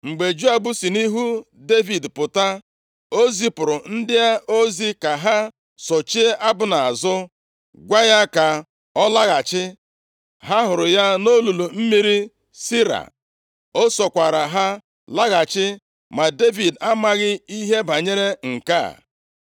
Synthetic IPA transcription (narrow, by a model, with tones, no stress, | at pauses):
ŋ͡m̩˨ɡ͡be˨d͡ʒu˦a˨ɡ͡bu˦si˨ni˦ɦu˦ | de˦vi˨dpʊ˨ta˦ | o˦zi˦pʊ˨ɾʊ˨n̩˦dɪ˦a˦o˦zi˦ka˨ɦa˦ | sɔ˨t͡ʃi˦ʔa˦bʊ˨˦na˨a˨zʊ˦ | ɡʷa˦ja˦ka˨ | ɔ˦la˦ɣa˨t͡ʃɪ˦ | ɦa˦ɦʊ˨ɾʊ˨ja˦no˦lu˨lu˨m̩˦mi˦ɾi˦ | si˦ɾa̰˨ | o˦sɔ˨kʷa˨ɾa˨ɦa˦ | la˦ɣa˨t͡ʃɪ˦ | ma˨de˦vi˨da˦ma˦ɣɪ˦i˦ɦe˦ba˨ɲe˦ɾe˦ŋ̩˨ka̰˦˨